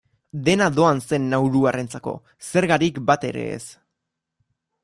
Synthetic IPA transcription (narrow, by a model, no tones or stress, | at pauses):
d̪e̞naðo̞anse̞nːawɾuarent͡sako̞̰ | se̞ɾɣaɾikbat̪e̞ɾe̞̰ːs